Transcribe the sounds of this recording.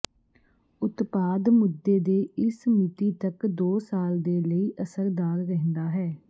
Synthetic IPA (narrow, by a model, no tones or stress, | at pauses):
ʊt̪paːd̪mʊd̪ːeːd̪eːɪsmɪt̪iːt̪əkd̪oːsaːld̪eːləiːʔəsəɾd̪aːɾɾɛɦnd̪aːɦɛː